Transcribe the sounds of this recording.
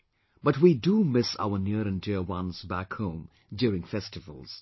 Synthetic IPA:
b̥ʌtwidumɪsa̰ʊənɪɾɨ̃ndɪɹwʌ̃nz̥bækhõʊ̃m | djʊɾɪ̃ŋfɛstɨvə̰l̩ˠz̥

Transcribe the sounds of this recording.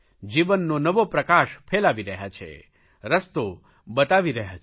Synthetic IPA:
d͡ʒiʋənːonəʋopɾəkaʃfʰelaʋiɾəɦjat͡ʃʰḛ | ɾəst̪o | bət̪aʋiɾəɦa

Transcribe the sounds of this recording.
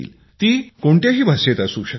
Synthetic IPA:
ḭːl | t̪iːkoɳt̪jaɦiːbʱaset̪asuːɕə

